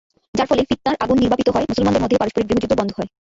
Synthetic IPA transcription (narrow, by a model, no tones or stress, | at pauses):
d͡ʑaɾfɔlefit̪ːaɾʔaɡunːiɾbʱapit̪oɦɔemusolmand̪eɾmod̪ʱːepaɾoʃpoɾiɡɾiɦod͡ʑut̪obɔnd̪ʱoɦɔe